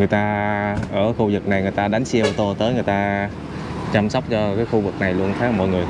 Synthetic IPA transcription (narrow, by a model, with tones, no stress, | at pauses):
ŋɨ˨˩əjt̪aː˧ʔəː˧˩xu˧zɨ˨˩k̚na˨˩jŋɨ˨˩əjt̪aː˧ɗa˨˦jŋ̟si˧ə˧wt̪o˧t̪əː˨˦jŋɨ˨˩əjt̪aː˧ | t͡ɕa˧msɔ˦˥wk͡p̚t͡ɕɔ˧kaː˨˦jxu˧vɨ˨˩k̚na˨˩jlu˧ənt̪ʰaː˨˦mɔ̰˧˨jŋɨ˨˩əj